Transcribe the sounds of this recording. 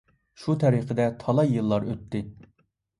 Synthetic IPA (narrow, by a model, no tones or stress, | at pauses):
ʃut̪ʰɛɾiqʰəd̪ɛt̪ʰɑlˠɑjɨlˠːɑɾøt̪ʰːɪ